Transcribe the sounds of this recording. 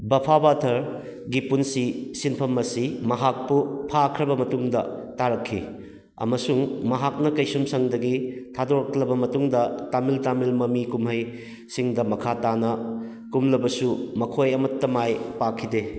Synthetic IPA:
bɐpʰabatʰɐɾ | ɡipunsisinpʰɐmːɐsimɐɦak̚pupʰakʰɾɐbɐmɐtuŋdɐ̰taɾɐkʰːḭ | ɐ̰mɐsuŋmɐɦak̚nɐkɐjsumsɐŋdɐɡitʰadoɾɐklɐbɐmɐtuŋdɐtamiltamilmɐmikumɦɐj | siŋdɐmɐkʰatanɐ | kumlɐbɐsumɐkʰojɐmɐtːɐmajpakʰːide

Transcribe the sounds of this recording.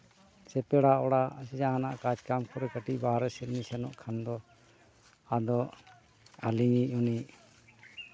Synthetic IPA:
sɛpɛɽaɔɽasid͡ʒaanaʔkad͡ʒkamkʰɔɾɛkəʈiʔbaɾɛsɛɾnisɛnɔʔkʰand̪ɔ | ad̪ɔ | a̰liŋiuniʔ

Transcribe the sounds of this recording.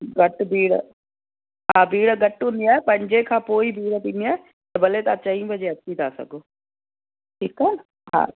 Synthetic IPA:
ɡɐʈbʱiːɽ̰ | ɦaːbʱiːɽɡɐʈʊnd̪iaːepɐ̃ɦɪ̃ɲd͡ʑekʰãːpoːibʱiːɽt̪iːniaːe | t̪ɐbɐlet̪at͡ɕɐĩbʱɐd͡ʑeɐt͡ɕʰit̪ʰaːsɐ̰ɡʱoː | ʈʰiːkaɦn | ɦa̰ː

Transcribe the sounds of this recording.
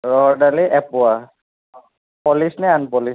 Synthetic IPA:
ɹɔɦɔdaliʔɛpʊa | pɔlisnɛanpɔlis

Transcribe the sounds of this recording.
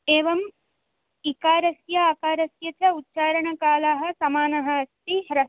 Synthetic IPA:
eːʋɐm | ikaːɾɐsjɐaːkaːɾɐsjɐt͡ʃɐut̪ːʃaːɾɐɳɐkaːlaːɦɐ̆sɐmaːnɐɦɐɐst̪iɦɾɐ

